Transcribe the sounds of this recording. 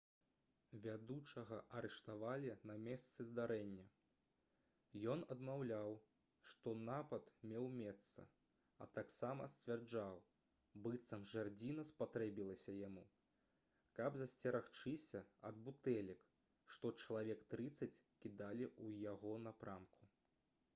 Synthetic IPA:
vʲad̪ut͡ʂɐɣɐʔɐɾɛʂt̪avalʲinɐmʲɛst̪sɨzd̪aɾɛnʲːɐ | jɔnɐd̪mawlʲaw | ʂt̪ɔnapɐt̪mʲɛwmʲɛt̪sɐ̰ | ɐ̰t̪aksamɐ̰sʲt͡sʲvʲard͡ʐaw | bɨt̪sɐmʐard͡zʲinɐspat̪ɾɛbʲilˠɐsʲɐjamu | kɐbzɐsʲt͡sʲɐɾaxt͡ʂɨsʲɐɐd̪̚but̪ɛlʲik | ʂt̪ɔt͡ʂɐlˠavʲɛkt̪ɾɨt̪sːɐt͡sʲkʲid̪alʲiʔujaɣɔnɐpɾamkʰu̥

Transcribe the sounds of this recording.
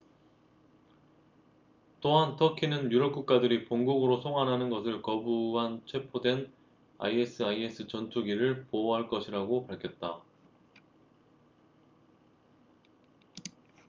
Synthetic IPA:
t͈oɦantʰʌkʰinɯnjuɾʌp̚k͈uk̚k͈adɯɾipoŋɡuɡɯɾosʰoŋɦanɦanɯnɡʌsʰɯɭkʌbuant͡ɕʰwe̞pʰodwe̞n | a̰ies͈ʰɯaie̞s͈ʰɯt͡ɕʌntʰuɡiɾɯɭpoɦaɭk͈ʌɕʰiɾaɡopaɭkʰjʌt̚t͈a

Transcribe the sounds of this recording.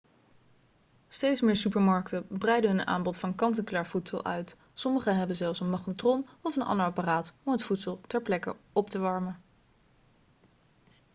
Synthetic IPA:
stejtsmɪːɹsypəɹmɑɹktəbrɛjdəɦɵna̰ːmbɔtfɑnkɑntəkylaːɹvutsəlˠʔœ̰ɥt | sɔməχəɦɛbənzɛlˠfsənmɑχnotrɔnɔfənʔɑ̰ndəɹɑparaːtɔmɦətfutsəlˠtɛɹplɛkə̰ɔptəʋɑɹmə

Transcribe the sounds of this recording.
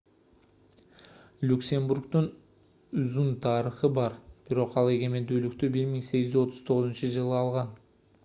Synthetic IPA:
lʲuksʲe̞mburkt̪un | yzynt̪ʰɑːɾəχɯbɑɾb̥iɾo̞qɑlˠe̞ɡe̞me̞nd̪yːlyk̚t̪ybiɾmiŋse̞ɡizyzo̞t̪ʰʊz̥t̪ʰo̞ʁʊzunt͡ʃɯd͡ʒɯlˠɯɑlˠʁɑn

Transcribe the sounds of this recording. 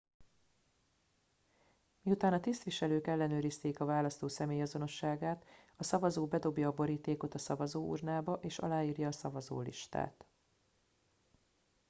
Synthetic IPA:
miut̪aːnɒt̪ist̪ʋiʃɛløːkɛlːɛnøːɾist̪eːkɒvaːlɒst̪oːsɛmeːjɒzo̞no̞ʃːaːɡaːt̪ɒsɒvɒzoːbɛd̪o̞bjɒːbo̞ɾiːt̪eːko̞t̪ɒsɒvɒzoːṵrnaːbɒʔeːʃɒ̰laːiːrjɒːsɒvɒzo̰ːlḭʃt̪a̰ːt̪

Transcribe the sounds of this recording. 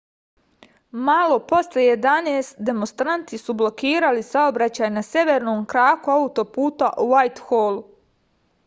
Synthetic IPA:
malˠo̞po̞sljeje̞d̪aneːst̪d̪e̞monst̪ɾant̪isublˠo̞kiːɾalisaobɾat͡ɕaːjnasʲje̞ʋeɾnoːmkɾaːkuaut̪o̞puːt̪aʔuʋajt̪xoːlˠu

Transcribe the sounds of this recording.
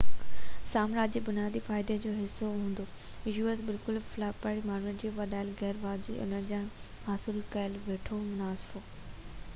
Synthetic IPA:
saːmɾaːd͡ʑibʊnijaːd̪ifaːɪd̪ed͡ʑoːɦɪsːoɦũːnd̪o | ɪʒuːəsbɪlkʊlflaːpaːɽimaːɾənd͡ʑiːʋɐɗaːɪlɣɛːɾʋaːld͡ʑḭːʔɐ̰ləɾd͡ʑãː | aːsɪlkɐəlʋeːʈʰomʊnaːsɪ̥fo

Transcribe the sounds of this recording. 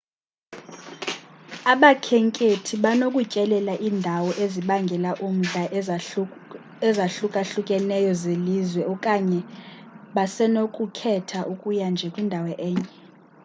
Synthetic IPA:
aɓakʰɛŋkʼetʰiɓanokʼucʼɛlɛlaʔiːndʱawɔʔeziɓaŋɡʱɛlaʔum̩ɮa | ɛzaɬukʼaɬukʼɛnɛjɔzeliːzwɛɔkʼaɲɛ | ɓasɛnokʼukʰɛtʰaʔukʼujand͡ʒʱɛkʼwindʱawɛʔɛːɲɛ

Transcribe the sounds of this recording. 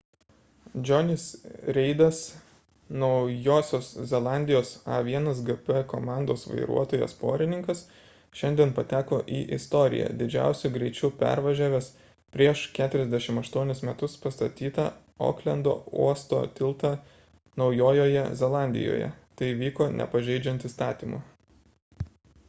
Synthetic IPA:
d͡ʒʲonʲɪsɾʲɛɪd̪ɐs | nɒʊjoːsʲoːszʲɛlˠɑˑnʲd̪ʲɪjoːsɑ̰ʋʲiɛnɐs̬ɡɛpɛkoːmɑˑnd̪oːsʋɐ̰ɪɾṵɔt̪oːjɛ̰spo̰ːɾʲɪnʲɪŋkɐs | ʃʲɛnʲd̪ʲiɛnpɐt̪ʲæːkoːʔiːʔɪst̪ɔːɾʲɪ̰jæ̰ːd̪ʲɪd͡ʒʲæ̰ˑʊsʲʊɡɾʲɛɪt͡ʃʲuːpʲæ̰ɾʋɐʒʲæːʋʲeːs | pʲɾʲiɛʃkʲæːt̪ʲʊɾʲɛzd̪ʲɛʃʲɪmɐʃt̪uɔnʲɪsmʲɛt̪ʊspɐst̪ɐt̪ʲiːt̪ɐ | o̰klʲɛnd̪o̰ːṵɔst̪o̰ːt̪ʲɪlˠt̪ɑ | nɒʊjoːjoːjɛzʲɛlˠɑˑnʲd̪ʲɪ̰jo̰ːjɛ̰t̪ɐɪʋʲiːkoːnʲʔɛ̰pɐʒʲɛɪd͡ʒʲɛnt̪ist̪ɑːt̪ʲiːmṵ

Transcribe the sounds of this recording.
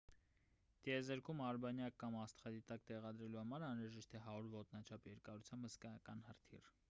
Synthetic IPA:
t̪iɛzəɾkʰumɑɾbɑnjɑkːɑmɑst̪χɛd̪it̪ɑkt̪ɛʁɑd̪ɾɛluhɑmɑɾɑnɾɑʒɛʃt̪ɛɦɑuɾvɔt̪nɑt͡ʃʰɑpjɛɾkɑɾut͡sʰjɑmbhəskɑjɑkɑnhərt̪ʰḭr

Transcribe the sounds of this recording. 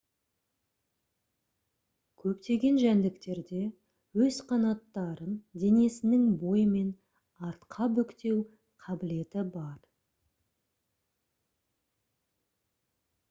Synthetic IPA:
kʲʰɵpt̪e̞ɡʲe̞nʒænd̪ɪkt̪e̞ɾd̪e̞ | wɵz̥qʰɑnɑt̪ːɑɾənd̪e̞ne̞sɪnɪŋbo̞jəme̞n | ɑɾt̪qʰɑbɵkt̪e̞w | qʰɑbɪle̞t̪ɪbɑɾ

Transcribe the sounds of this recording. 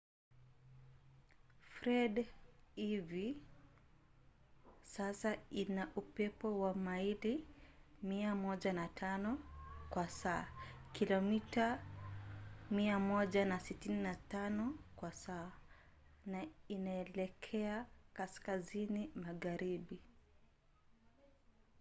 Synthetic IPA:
fɾɛdivi | sasainaʔupɛpɔwamaili | miamɔʄanatʰanɔkwasaːkilɔmita | miamɔʄanasitininatanɔkwasaː | nainaɛlɛkʰɛakaskazinimaɣaɾiɓi

